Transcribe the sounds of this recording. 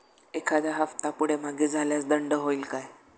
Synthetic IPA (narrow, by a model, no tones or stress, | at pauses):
ekʰad̪aɦəft̪apuɽ̤em̤aɡid͡zʱaljasd̪əɳɖəɦoilkaj